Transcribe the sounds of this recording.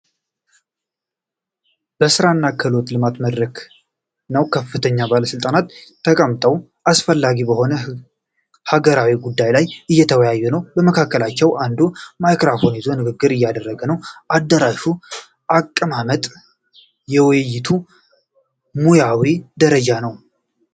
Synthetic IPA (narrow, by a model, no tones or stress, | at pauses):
b̥əsɨɾanːakʰːəlo̞t̪lɨmat̪məd̪ɾək | nəwkʰəfːɨt̪ʰəɲːabaləsɨlt̪ʼanat̪ʰː | əkʼəmt̪ʼəw | ʔasfəlːaɡibəho̞nə | haɡəɾawiɡud̪ːajlajʔɨjːɛt̪ʰəwəjajːunəwbəməkʰakːəlat͡ʃːɛwand̪umajkɾafo̞njɛzo̞nɨɡɨɡːɨɾɨjːad̪ərːəɡənəwʔad̪ːəɾaʃu | ʔakʼːɨmamət̪ʼ | jɛwɨjjːɪt̪ʰu | mujawid̪əɾəd͡ʒanəw